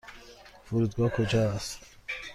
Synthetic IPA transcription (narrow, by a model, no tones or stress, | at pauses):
fuɾud̪ɡɔkʰod͡ʒɔast̪